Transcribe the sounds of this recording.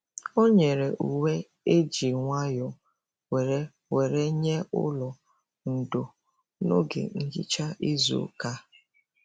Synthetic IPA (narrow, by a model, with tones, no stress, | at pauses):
o˦ɲe˨ɾe˨ʔu˨we˦ | e˦d͡ʒi˨ŋʷa˦jɔ˨ | we˨ɾe˦ | we˨ɾe˦ɲe˦ʊ̰˦lɔ˨ | n̩˨do˨ | no̰˦ɡḛ˨n̩˦d͡ʒḭ˦t͡ʃa˦ʔi˦zṵ˨˦ka˦